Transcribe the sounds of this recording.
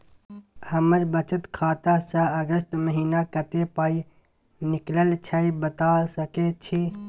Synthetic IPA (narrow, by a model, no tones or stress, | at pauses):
həməɾbət͡ʃət̪kʰaːt̪asə̃əɡəsʈməɦiːnakət̪epaːi | nɪkləlt͡ʃʰəibət̪asəket͡ʃʰi